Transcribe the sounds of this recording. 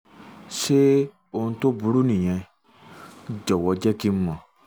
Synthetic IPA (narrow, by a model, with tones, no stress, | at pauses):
ʃe˦ | o˧˨ũ˧˦to˦bu˨˧ɾu˦nĩ˨j̃ɛ̃˧˦ | d͡ʒɔ˨wɔ˧d͡ʒɛ˦ki˦m̩˦mɔ̃˨